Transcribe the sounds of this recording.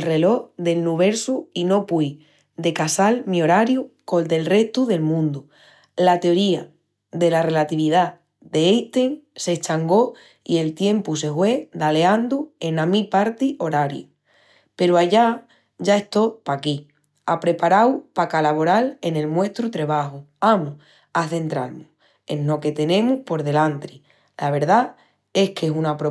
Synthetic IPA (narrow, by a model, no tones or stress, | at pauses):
lre̞lo̞ðe̞lnuβ̞e̞ɾsuino̞pwi | d̪e̞kasalmio̞ɾaɾjuko̞ld̪e̞lre̞ht̪uðe̞lmũnd̪u | lat̪eo̞ɾia | ðe̞lare̞lat̪iβið̞a | d̪e̞ejt̪eŋse̞t͡ʃaŋɡo̞ | ie̞lt̪je̞mpuse̞hwe̞d̪ale̞and̪ue̞namipaɾt̪io̞ɾaɾju | pe̞ɾuaʝa | ʝae̞st̪o̞paki | apɾe̞paɾawpakalaβo̞ɾale̞ne̞lmwe̞st̪ɾut̪ɾe̞β̞axuamu | aθe̞nt̪ɾaɾmu | enːo̞ke̞t̪e̞nẽ̞muhpo̞ɾðe̞lant̪ɾi | laβ̞e̞ɾða | e̞hkesunapɾo